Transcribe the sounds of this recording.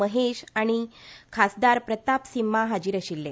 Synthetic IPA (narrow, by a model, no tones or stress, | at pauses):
əɦeɕaɽ̃ikʰasd̪aɾpɾət̪apsimːaɦad͡ʑiːɾəɕilːe